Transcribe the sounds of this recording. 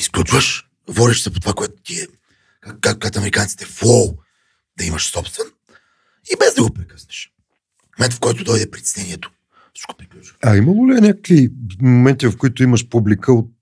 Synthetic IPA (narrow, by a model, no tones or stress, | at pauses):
isklʲut͡ʃvəʃ | bɔɾiʃsɛpot̪ovakoɛt̪o̥t̪iɛ | kakakat̪ɐmɛɾikant̪si̥t̪ɛfɔlˠ | d̪ɐimɐʃsɔpst̪vɛn | ibɛzd̪ɐɡopɾɛkə̥snɛʃ | momɛ̃nt̪fkɔjt̪ʊd̪ɔjd̪ɛpɾit̪ɛ̥snɛnʲiɛt̪o̥ | sko̥pɾikut͡ʃvɐimɐlˠoliɛnʲakə̥kvimomɛnt̪ivɐfkoit̪ʊimɐʃpublikʰəot̪̚